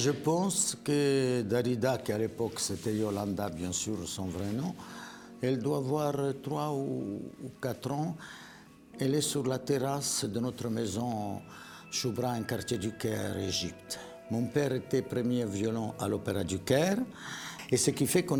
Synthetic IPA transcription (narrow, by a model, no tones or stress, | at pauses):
ʒəpɑ̃skəd̪aɾid̪akialepɔkset̪ɛjolɑ̃d̪abjɛ̃syʁsɔ̃vɾenɔ̃ | ɛld̪waːvwaʁt̪ɾwauːkat̪ɾɑ̃ | ɛlɛsyʁlat̪eʁasd̪ənɔt̪ɾəmezɔ̃ | ʃubɾaɛ̃kaɾt̪jed̪ykɛʁeʒipt̪ | mɔ̃pɛʁet̪ɛpɾəmjɛvjɔlɑ̃alɔpeɾad̪ykɛʁ | esəkifɛkɔ̃